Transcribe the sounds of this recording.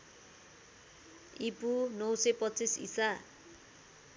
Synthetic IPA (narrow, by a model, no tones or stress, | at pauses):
ipunʌwsʌpʌt͡sisḭsa